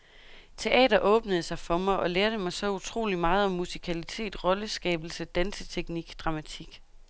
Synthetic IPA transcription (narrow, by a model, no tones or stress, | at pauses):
t͡sʰe̝ʔɛ̰ːd̥ɐʔɔ̽ːb̥nəð̞̩ˠsɑ̈ɪfɒ̽mɑɪʔɒ̽leːɐd̥əmɑ̈ɪsɒ̽ut͡sʰʁo̝̰ːlimɑ̈ːð̞̩ˠɒ̽mːusi̥kʰælit͡sʰe̝̰ːd̥ʁɒ̽ləsɡ̥ɛ̰ːb̥l̩səd̥ænsət͡sʰeɡ̥niɡ̥d̥ʁɑ̈mæt͡sʰiɡ̥